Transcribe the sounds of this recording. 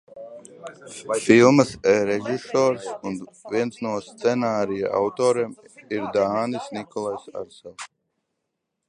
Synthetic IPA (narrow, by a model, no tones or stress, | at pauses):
filˠmɨsɛɾɛʒisɔːɾsunviɛnsnuɔst̪sɛnaːɾija̰ʔa̰wt̪ɔːɾem | iɾd̪aːnisnikɔlˠajsa̰ɾsɛlˠ